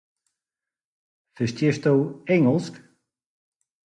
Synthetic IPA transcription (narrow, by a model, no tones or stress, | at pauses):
θɪst̪jɛst̪owejŋɔlsk